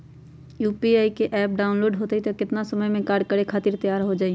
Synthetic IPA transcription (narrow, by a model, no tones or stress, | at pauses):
juːpiaːikeʔɛːp̚ɖaːʊnloːɖɦoːt̪eit̪ekɪt̪nasɐməjmẽkaːɾɖ̚kəɾekʰaːt̪ɪɾt̪ɐjaːɾɦod͡ʒaːi